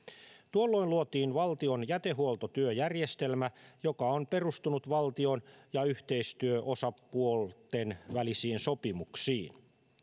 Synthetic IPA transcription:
t̪uolːo̞iluot̪iːnʋɑlt̪ionjæt̪e̞ɦuolt̪ot̪yøjærjest̪e̞lmæjo̞kɑonpe̞rust̪unut̪ʋɑlt̪io̞njɑyht̪e̞ist̪yøʔo̞sɑuolt̪enʋælisiːnso̞pimuksiːn

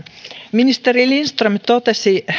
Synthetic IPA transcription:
minist̪eɾilinst̪rumt̪ot̪esi

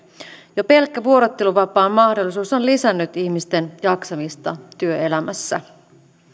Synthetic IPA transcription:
jope̞lkːæʋuo̞ɾot̪ːe̞luʋɑpɑːmːɑhdolːˑisuːsonlisænːyt̪içmist̪e̞njɑksɑmist̪ɑt̪yøe̞læmæsːæ̰

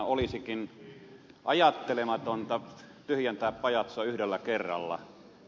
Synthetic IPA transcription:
olisikin | ʔɑjɑt̪ːelemɑt̪ont̪ɑ | t̪yhjænt̪æˑːppɑjɑt̪sɑyhdelːækerːɑ̰lːɑ̰

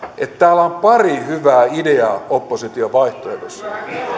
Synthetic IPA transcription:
ʔet̪t̪æːlæompɑrihyʋæːideɑopːosit̪ioʋɑiht̪oedosːɑ

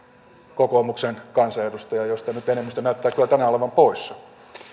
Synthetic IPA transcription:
kokomuksenkɑnsɑedust̪ɑjɑjost̪ɑnyt̪enemːist̪ænæyt̪ːæːkylːˑæt̪ænæoleʋɑmpoisːɑ

